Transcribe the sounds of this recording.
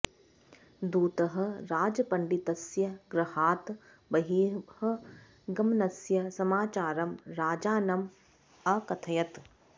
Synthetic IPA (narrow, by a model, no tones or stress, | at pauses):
d̪uːt̪ɐɦɐ̆ɾaːd͡ʒɐpɐɳɖit̪ɐsjɐɡɾɐhaːt̪ | bɐɦiːhɐ̆ | ɡɐmnɐsjɐsɐmaːt͡ʃaːɾɐmɾaːd͡ʒaːnɐm | ɐkɐt̪ʰɐjɐt̪